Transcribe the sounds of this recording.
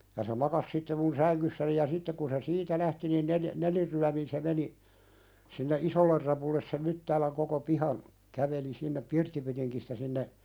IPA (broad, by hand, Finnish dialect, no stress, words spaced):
jɑ se mɑkɑs sitːe mun sæŋkysːæni jɑ sitːek kun se siːtæ læhti nin neljæ̆ nelirːyæmin se meni sinːe ʔisolːer rɑpulːes sem mytːæːlæŋ koko pihɑn kæʋeli sinːep pirtːipytiŋkistæ sinːe